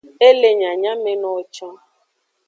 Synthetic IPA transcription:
e˦le˦ɲa˨ɲa˦me˦nɔ˦t͡ʃa˦

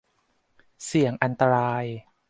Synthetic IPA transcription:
si˩˦əŋʔa˧nt̪a˧ɾaː˧j

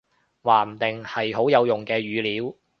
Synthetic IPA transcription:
waː˨˩m̩˨˩t̪ɪ˨ŋhɐ˨jɦo˨˥wjɐ˨˧wjʊ˨ŋkɛː˧ɥyː˨˧liː˨˧˥w

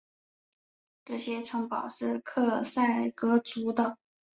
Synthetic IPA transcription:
ʈ͡ʂɤ˥˩ɕjɛ˥ʈ͡ʂʰɤ˧˥ŋpɑ˨˩ʊʂɻ̩˥˧kʰɤ˥˧sa˥˩ɪə˨˩kɤ˧˥t͡su˧˥d̪ə˧

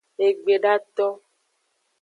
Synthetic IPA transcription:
e˨ɡ͡be˨ɖa˦t̪ɔ˦

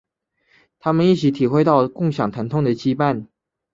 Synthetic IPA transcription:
t̪ʰa˥mə˨ni˥˩t͡ɕʰi˧˥t̪ʰi˨˩xwe˥ɪt̪ɑ˥˧ʊkʊ˥˩ŋɕjɑ˨˩ŋt̪ʰa˧˥nt̪ʰʊ˥˩ŋd̪ə˨˩t͡ɕi˥pa˥˩n

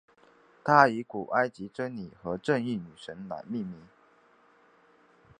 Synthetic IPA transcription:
t̪ʰa˥i˧˥ku˨˩ʔa˥ɪt͡ɕi˧˥ʈ͡ʂə˥nni˨˩xɤ˧˥ʈ͡ʂə˥˧ŋi˥˩ny˨˩ʂə˧˥nna̰˨˩˦nmi˥˩mi˧˥˦

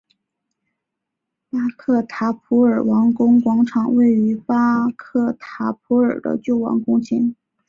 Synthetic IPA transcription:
pa˥kʰɤ˥˩t̪ʰa˧˥pʰu˧˥ə˞˨˩wɑ˧˥ŋkʊ˥ŋkwɑ˧˥ŋʈ͡ʂʰɑ˨˩ŋwe˥˩ɪy˧˥pa˥kʰɤ˥˩t̪ʰa˧˥pʰu˧˥ə˞˨˩d̪ə̰˦t͡ɕjo˥˩ʊwɑ̰˧˥ŋkʊ˥ŋt͡ɕʰi˧˥n

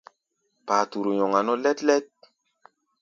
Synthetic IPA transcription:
paː˨tu˨ɾu˨ɲɔ˨ŋa˨nɔ˦lɛ˦tlɛ˦t̚

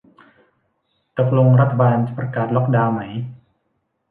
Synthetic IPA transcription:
ka˧˩pʰlo˧ŋɾa˦˥t̪ʰːa˧baː˧nt͡ɕa˨˩pɾa˧kaː˨˩t̪̚lɔ˦˥k̚daː˧wma˩˦j

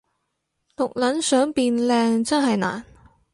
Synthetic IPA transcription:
lʊ˨k̚lɐ˨˥nsœː˨˥ŋpiː˧nlɛː˧ŋt͡sɐ˥nɦɐ˨jna̰ː˨˩n

